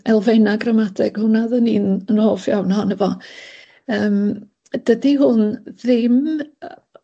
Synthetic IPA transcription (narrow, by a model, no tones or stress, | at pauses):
ɛlˠvenaɡrəmadʰɪɡ̥hʊnaðəniːnənhoːfjawnhanəvɔ | əːm | d̥ədiɦʊnðɪm